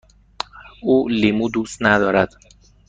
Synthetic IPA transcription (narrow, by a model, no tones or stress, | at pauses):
uːlimud̪uːst̪næd̪ɒːɾæd̪̥